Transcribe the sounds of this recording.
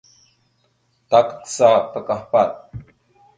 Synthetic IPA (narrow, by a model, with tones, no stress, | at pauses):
ta˨kə̥˦ksa˦pə˨ka˨hpa˦˨t̪̚